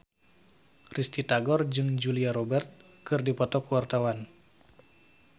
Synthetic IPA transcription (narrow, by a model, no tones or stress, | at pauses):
rist̪it̪aɡɔrd͡ʒɨŋd͡ʒuliaɾobɛrt̪̚ | kɨrdipɔt̪ɔkwart̪awan